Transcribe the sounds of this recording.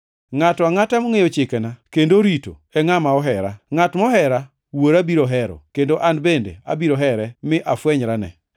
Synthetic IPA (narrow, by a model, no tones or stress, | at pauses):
ŋatɔaŋatamoŋejot͡ʃɪkɛnakendoɾito̰ɛŋamaɔɦɛɾaŋatmɔɦɛɾa | woɾabiɾoɦɛɾɔ̰kendoʔanbendḛa̰biɾoɦɛɾɛmɪʔafwɛɲɾanɛ̰